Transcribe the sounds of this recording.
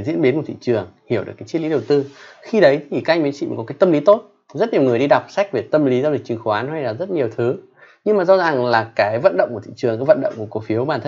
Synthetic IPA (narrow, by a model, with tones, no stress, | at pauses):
zḭ˧˥ənɓi˨˦nku˧˩ḭ˧˨t͡ɕɨ˨˩əŋhi˧˩wɨ˨˩əkːaː˨˦t͡ɕi˦˥li˨˦ɗə˨˩wt̪ɨ˧xi˧ɗə˨˦jt̪ʰi˨˩kaː˦˧jŋ̟mi˨˦nt͡ɕḭ˧˨˦kɔ˨˦kaː˨˦jt̪ə˧mli˨˦t̪o˦˥t̚ | zə˦˥t̚ɲi˨˩əwŋɨ˨˩əjɗi˧ɗa˨˩wk͡p̚sa˦˥jk̟̚ve˨˩t̪ə˧mli˨˦za˧˨˩k̚t͡ɕi˨˦ŋxo˨˧waː˨˦nha˧jlaː˨˩zə˦˥t̚ɲi˨˩əwt̪ʰɨ˨˦ | ɲɨ˧ŋmaː˨˩zɔ˧zaː˨˩ŋlaː˨˩kaː˨˦jvə̰˧˨nɗə̰˧wŋ͡mku˧˩ḭ˧˨t͡ɕɨ˨˩əŋkaː˨˦jvə˧˨nɗə̰˧˨wŋ͡mkəko˨˧˦fi˨˦əwɓaː˧˩nt̪ʰə˧